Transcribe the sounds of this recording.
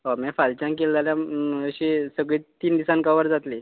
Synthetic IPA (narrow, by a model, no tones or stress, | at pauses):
ɦomɛfalt͡ɕãŋkelːaljaəɕisəɡɭiːt̪iːnd̪isankaʋəɾd͡zat̪li